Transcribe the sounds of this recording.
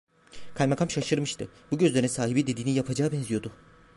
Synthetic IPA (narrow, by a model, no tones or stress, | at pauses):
kʰalʲmakʰamʃaʃɯɾmɯʃt̪ʰɯbuɟøzlʲeɾinsaːɦibid̪e̞d̪iːnijapʰad͡ʒaːbɛnzijo̞d̪ʊ